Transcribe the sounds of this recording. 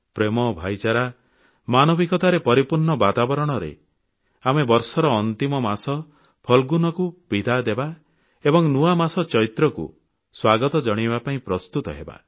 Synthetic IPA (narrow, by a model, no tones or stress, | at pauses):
pɾemɔbʱajt͡ʃaɾa | manɔbikɔt̪aɾepɔɾipuɾɳɔbat̪abɔɾɔɽ̃ɔɾḛ | amebɔɾsɔɾɔːnt̪imɔmasɔ | pʰɔlɡunɔkub̥id̪ʱad̪eba | ebɔŋnuamasɔt͡ʃɔit̪ɾɔkṵ | swaɡɔt̪ɔd͡ʒɔɽ̃ibapaĩpɾɔst̪ut̪ɔɦeba̰